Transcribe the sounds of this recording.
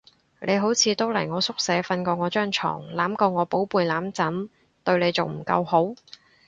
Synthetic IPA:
lʔe˨˧jɦo˨˥wt͡sʰiː˨˧t̪o˥wlɐ̰˨˩jŋɔː˨˧sʊ˥k̚sɛː˨˥fɐ˧nkɔː˧ŋɔː˨˧t͡ʃœː˥ŋt͡ʃʰɔ̰ː˨˩ŋlaː˨˥mkɔː˧ŋɔː˨˧po˨˥wpuː˨˧jlaː˨˥mt͡sɐ˨˥n | t̪ɵ˧ɥnle˨˧jt͡so˨wm̩˨˩kɐ̰˧who˨˥w

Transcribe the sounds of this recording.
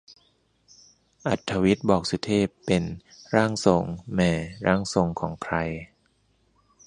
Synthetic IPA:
ʔa˨˩t̪ʰːa˧wi˦˥t̪̚bɔː˨˩k̚su˨˧˦t̪ʰeː˥˩pːe˧nɾaː˥˩ŋso˧ŋmɛː˧ɾaː˥˩ŋso˨˧ŋkʰɔː˩˦ŋkʰɾa˧j

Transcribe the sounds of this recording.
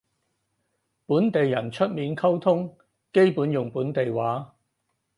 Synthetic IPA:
puː˨˥nt̪e˨jːɐ˨˩nt͡ʃʰɵ˥t̚miː˨˧nkʰɐ˥wt̪ʰʊ˥ŋ | ke˥jpuː˨˥njʊ˨ŋpuː˨˥nt̪e˨jwaː˨˥

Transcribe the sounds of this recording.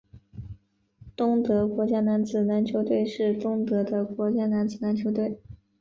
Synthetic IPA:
t̪ʊ˥ŋt̪ɤ˧˥kwɔ˧˥t͡ɕja˥na˧˥nd͡zɹ̩˨˩na˧˥nt͡ɕʰjo˧˥ʊt̪we˥˧ɪʂɻ̩˥˩t̪ʊ˥ŋt̪ɤ˧˥d̪ə˧kwɔ˧˥t͡ɕja˥na˧˥nt͡sɹ̩˨˩na˧˥nt͡ɕʰjo˧˥ʊt̪we˥˩ɪ

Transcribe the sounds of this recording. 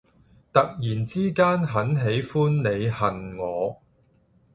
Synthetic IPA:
t̪ɐ˨k̚jiː˨˩nt͡siː˥kaː˥nɦɐ˨˥nɦe˨˥jfuː˥nne˨˧jhɐ˨nŋɔː˨˧

